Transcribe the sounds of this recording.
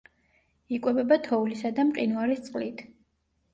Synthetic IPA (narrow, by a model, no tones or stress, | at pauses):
ikʼwɛbɛbat̪ʰɔulisad̪amqʼḭnuaɾist̪sʼqʼlit̪ʰ